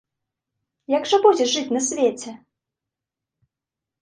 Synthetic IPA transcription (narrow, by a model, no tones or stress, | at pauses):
jaɡʐɐbud͡zʲɛʐɨt͡sʲnɐsʲvʲet͡sʲɛ